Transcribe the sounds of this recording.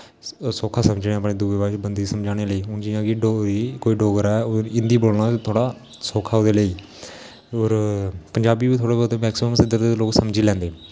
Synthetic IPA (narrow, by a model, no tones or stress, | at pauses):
soːkʰaːsəmd͡ʒnẽəpneːd̪uʋeːbaːʃbənd̪iːsəmd͡ʒaːɽ̃eːləiːʊnd͡ʒijãːɡiːɖoikoːiːɖoːɡəɾɛːoɪnd̪iːboːlnaːt̪ʰoːɽaː | soːkʰaːod̪eːləiː | oːɾpəɲd͡ʒaːbiːbiːt̪ʰoːɽaːbot̪emɛːksəməmsɪd̪əɾd̪eloːksəmd͡ʒiːlɛ̃ːnd̪eː